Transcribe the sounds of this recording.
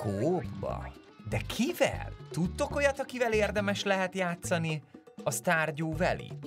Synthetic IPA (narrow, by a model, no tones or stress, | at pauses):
kʰoːbːɒ̰ | d̪ɛkʰivɛ̰lt̪ut̪ːo̞ko̞jɒt̪ɒkivɛleːrd̪ɛmɛʃlɛɦɛt̪jaːt̪sɒni | ɒst̪aːrɟoːvɛ̰lḭ